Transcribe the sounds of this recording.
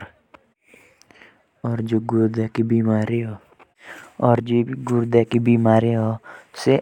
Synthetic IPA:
ɔɾd͡ʒoɡuɾd̪ɛkibimaɾiɔ | ɔɾd͡ʒiɡuɾd̪ɛkibimaɾiɔse

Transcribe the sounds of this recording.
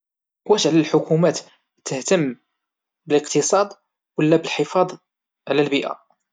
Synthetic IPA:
wæʃʕlælħʊkumæt̪ | t̪əht̪əmː | bələqt̪əsˤɑd̪ˤ | wəlːæbəlħəfɑd̪ˤ | ʕlælbiʔæ̰

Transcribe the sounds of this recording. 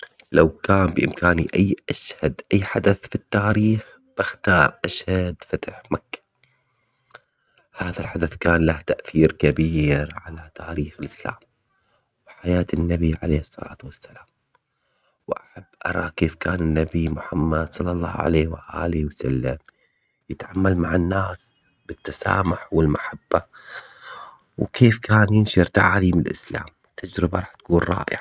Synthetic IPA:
lawkaːmbɪʔɪmkaːnḭʔajːʔaʃhad̪ʔajːħad̪aθfit̪ːaːɾiːx | b̥ɪxt̪ɑːɾˤʔaʃhad̪fat̪aħmakːḁ | haːðalħad̪aθkaːnlaht̪aʔθiːɾkabiːɾʕalat̪ʰaːɾiːxɪlʔɪsla̰ːm | wħajaːt̪ɪnːabiʕa̰leːhɨsˤːɑ̰la̰ːt̪wasːalaːm | wʔaħabːʔɑɾˤɑ̰ːkeːfkaːnɪnːabimʊħamːad̪sˤɑlːɑlˤːɑ̰ːʕa̰leːhwɪʔa̰ːlɪwasa̰lːam | jɪt̪ʕamːalmaʕanːaːs | bɪt̪ːasa̰ːmʊħwɪlmaħabːa | wkʰeːfkʰaːnjɪnʃɪɾt̪aʕaːliːmɪlʔɪ̰sla̰ːm | t̪ʰːad͡ʒɾɪbaɾˤɑħt̪ḁkuːnrˤɑ̰ːʔɪ̰ʕ

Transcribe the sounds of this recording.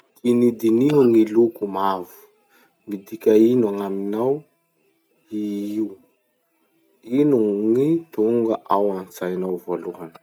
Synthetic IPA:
t̪inid̪iniɦuŋilukumavu̥ | mid̪ikʲainuaŋaminaw | iiw | inuŋit̪uŋɡaʔawant͡sajnawvoluɦanə̥

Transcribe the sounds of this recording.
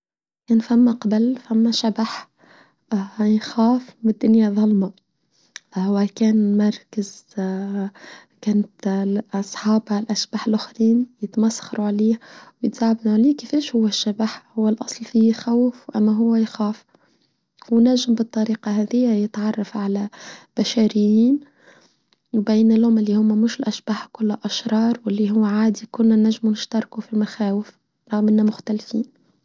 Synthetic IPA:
kæːnfamːaqɑbalfamːaʃabaħ | jxaːfmɪd̪ːʊnjaðˤɑlmɑ | hwakæːnmɑɾˤkaz | kæːnt̪ʔɑsˤħɑːblʔaʃb̥aħɪlʔʊxɾiːnjɪt̪masːxɑɾuʕliːhwjɪt̪z̥aʕbd̪uʕliːkɪfeːʃhʊwːæʃːabaħhʊwːælʔɑsˤlfixawfwʔæmːæɦʊwːæjxæːf | wnæʒːɪmbɨt̪ˤːɑɾiːqɑɦæːðɪjːæjɪt̪ʕɑrˤːɑfʕalæb̥aʃaːɾɪjːiːn | wbæjnɪlhʊmʔɪlːihʊmːæmʊʃɪlʔæʃbaːħkʊlːʔɑʃɾˤɑːɾˤwɪlːiɦʊwːʕaːd̪ikʊnːænæʒːmunɪʃt̪ɑɾˤkufilmaxæːwɪf | ɾˤɑɣmʔɪnːæmʊxt̪ælfiːn

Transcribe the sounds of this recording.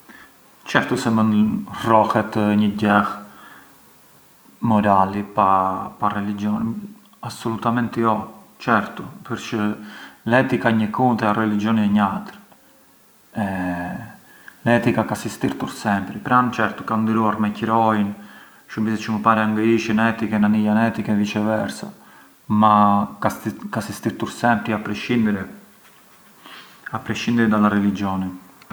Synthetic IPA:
t͡ʃɛɾt̪usɛmənrɔhɛt̪ɲəɟɛh | mɔɾalipaparɛlid͡ʒiɔni | absɔlut̪amɛnt̪jɔ | t͡ʃɛɾt̪upəɾt͡ʃəlɛt̪ikaɲəkunt̪ɛarɛlid͡ʒiɔniɛɲat̪əɾ | ɛ | lɛt̪ikakasist̪iɾt̪uɾsɛmpɾipɾant͡ʃɛɾt̪u̥kand̪iɾuaɾmɛcɾɔjn | ʃumbisɛt͡ʃəməpaɾɛaŋɡiʃinɛt̪ikɛnanijanɛt̪ikɛvit͡ʃɛvɛɾsa̰ | makakasist̪iɾt̪uɾsɛmpɾiapɾɛʃind̪ɾɛ | apɾɛʃind̪ɛɾɛd̪alaɾɛlid͡ʒɔni

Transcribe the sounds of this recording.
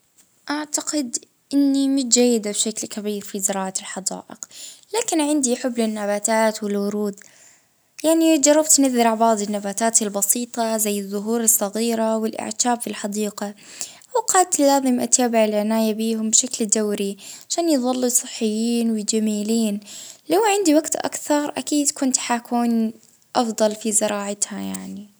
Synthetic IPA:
ʔaʕt̪aqɪd̪ | ʔɪnːimʊt̪d͡ʒajːɪd̪abʃaklkabiːɾfizɪɾɑːʕalħɑd̪ɑ̰ːʔɪqlaːkɪnʕɪnd̪iħʊbːlɪnːabaːt̪aːt̪wɪlwʊɾuːd̪ | jaʕnid͡ʒɑrˤːɑbt̪nɪðːɪɾaʕbɑʕd̪ˤɪnːabaːt̪aːt̪ɪlbɑsiːt̪ˤɑzajːɪðˤːʊɦuːɾɨsˤːɑɣiːɾawɪlʔɪ̰ʕt̪aːbfilħɑd̪iːqa | ʔawqɑːd̪t̪laːðˤɨmʔat̪aːbɪʕɪlʕɪnaːjabiːɦʊmbʃakld̪awɾiʕaʃaːnjðˤɑlːusˤɨħːɪjːiːnwɪd͡ʒamiːliːnlawʕɪnd̪iwaɡt̪ʔa̰kθɑɾˤʔa̰kiːd̪kʊnt̪ħakuːn | ʔɑfd̪ˤɑlfizɪɾˤɑːʕat̪hajaʕni

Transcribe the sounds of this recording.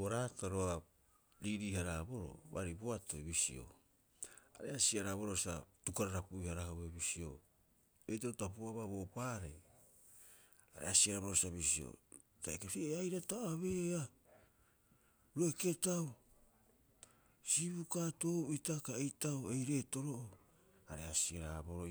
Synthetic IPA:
oɾataɾoa | ɾiɾiːhaɾabo̞ɾo̰βa̰ɾiboatoiβisḭo̞̰ | aɾe̞asiaɾaβoɾosa̰tukaɾaɾapuihaɾahoβeβisio̞̰ | etatapuaβaβo̞paːɾej | aɾḛasiaɾaβoɾosaβisio̰ | ta̰ekaseajɾataaβeːa | ɾuoeke̞tao | siβukato̞ːitakaejtaoejɾe̞ːto̞ɾo̞ʔo | aɾe̞asiaɾaboɾo

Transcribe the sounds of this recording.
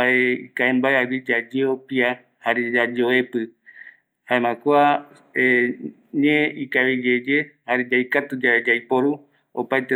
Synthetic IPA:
aeikaẽmbaeawid͡ʒad͡ʒeopia | haɾed͡ʒad͡ʒeoepɨ | haemãkua | e | ɲẽikaβid͡ʒed͡ʒehaɾed͡ʒajkat̪ud͡ʒaed͡ʒajpoɾu | o̰pajt̪e

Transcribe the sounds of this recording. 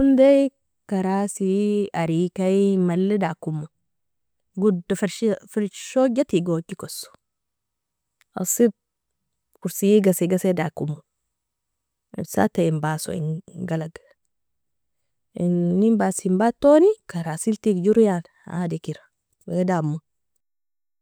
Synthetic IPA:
undej | kaɾasiaɾikajmalːedakumːu | ɡudofɾfiɾʃoɟat̪iɡokːikoso̥ | a̰sit̚ | puɾsijiɡasiɡasedakumːu | ḭsa̰taimbaso̰ḭnɡalaɡ | nimbasimbat̪ːonikaɾasiltikd͡ʒuɾjan | ha̰dekiɾa | bedamːu

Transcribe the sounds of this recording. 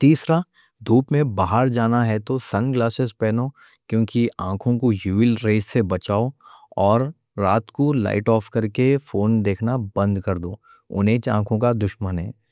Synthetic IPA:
t̪iːsɾa | d̪ʱuːpmẽbaːɦəɾd͡ʒaːnaɦɛt̪osɐnɡlaːsɪzpɛːnoː | kjõːkiãːkʰõkojuːɪlɾeːzsebɐt͡ʃaːoɔːɾː | aːt̪kola̰ːɪʈɔːfkɐɾkefoːnd̪eːkʰnabɐ̃nd̪kɐɾd̪oː | ʊ̰nẽt͡ʃã̰ːkʰõkad̪ʊʃmənɦɛː

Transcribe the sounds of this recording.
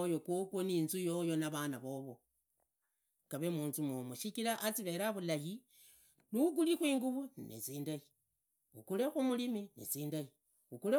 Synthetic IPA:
jokokwoniːnzujo̞jo̞naβanaβo̞βo̞ | kaβemuːnzumomuʃikilaʔːt͡siβe̞ɾaβulaji | nuuɡulixwiːŋɡuβunḭt͡siːndaji | ukule̞xumuliminḭt͡siːndaji | ukule

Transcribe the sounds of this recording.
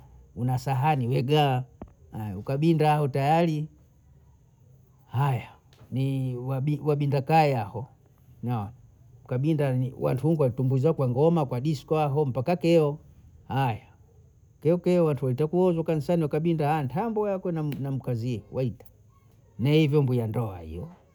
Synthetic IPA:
unasaɦaniwɛɡahaja̰ukaɓindaahɔtajali | haja | niwaɓiwaɓindakaɛahɔ | na | ukaɓindaniwa̰ntʰuhuŋɡuwalitumbuzakwaŋɡɔmakwaɗiskɔaɦɔm̩pakakɛɔhaja | kɛɔkɛɔwantʰuwalitakuɔzakanisaniakaɓindahantʰambɔjakwɛnanam̩kaziɔwaitḁ | nahivjɔmbujandɔa̰hḭjɔ

